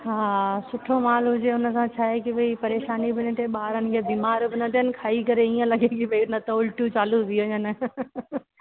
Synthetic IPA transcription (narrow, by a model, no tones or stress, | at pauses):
ɦaːsʊʈʰomaːlɦʊd͡ʑeʊnə̆sãt͡ɕʰaːɦekiʋɐipɐɾeːʃaːnibɪnɪt̪ʰeɓaːɾənɪ̆kʰeːbiːmaːɾbɪnɐt̪ʰiənɪ̆kʰaːikɐɾeiːə̃lɐɡekibʱɐinɐt̪oʊlʈut͡ɕaːlud̪ʱiɐɲənɪ